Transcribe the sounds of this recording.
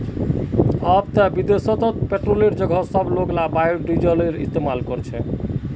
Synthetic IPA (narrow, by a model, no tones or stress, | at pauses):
ɔbt̪abid̪esot̪ot̪peʈɾoleɾd͡ʑɔɡʱɔsɔbloɡlabajoɾɖid͡ʑoleɾist̪emalkoɾt͡ɕʰe